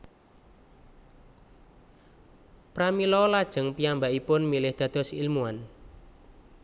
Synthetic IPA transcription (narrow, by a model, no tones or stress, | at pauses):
pɾamilɔlad̥ʒ̥ə̤ŋpiambaʔipʊnmilɪhd̪̥ä̤d̪̥ɔ̤silmuan